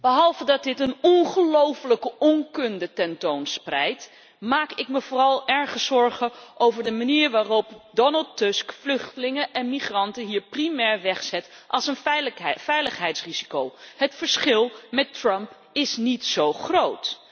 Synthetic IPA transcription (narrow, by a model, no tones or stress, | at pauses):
bəɦɑlˠvədɑd̚dɪtənɔnχəlowfələkəɔŋkɵndətɛntownsprɛjt | maːkɪkməvʊːrɑlˠɛɹχəzɔɹχəʔowvəɹdəmaniːɹʋaːrɔpdɔnəlˠtʊskflɵχtəlɪŋəʔɛnmiχrɑntəɦiːɹprimɛɹʋɛχsɛtʔɑlˠsənfɛjləχɦɛjtsrizikowɦətfəɹsχɪlˠmɛtrœmp | ɪsnitsowχrowt